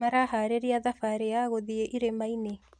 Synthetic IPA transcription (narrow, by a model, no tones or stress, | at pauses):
aɾaɦaːɾeɾiaðafaɾejaɣoðieʔiɾemaine